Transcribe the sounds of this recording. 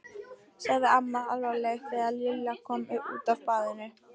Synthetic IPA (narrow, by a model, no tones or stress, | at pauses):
saɣðɪamːaalvalɛɣθɛaljɪlɪakʰɔmʏṵːt̪avpaːðɪnɪ